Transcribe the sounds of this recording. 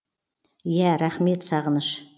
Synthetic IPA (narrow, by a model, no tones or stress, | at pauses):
jæɾaχmet̪saʁənɨʃ